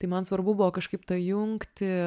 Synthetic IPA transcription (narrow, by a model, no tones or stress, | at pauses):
t̪ɐɪmɐnsʋɐrbʊbʊʋoːkɐʃkɐɪpt̪ɐjʊŋkt̪ʲɪ